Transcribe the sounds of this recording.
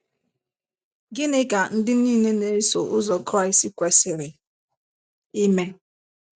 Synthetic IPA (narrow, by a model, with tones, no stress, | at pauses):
ɡɪ˦nɪ˦ka˨n̩˦dɪ˦niː˦˨ne˦ne˨ɾi˦so˨ʔʊ˦zɔ˨kɾa˦˨ɪ˨sti˦kʷe˨sɪ˨ɾɪ˨ | i˦me˨n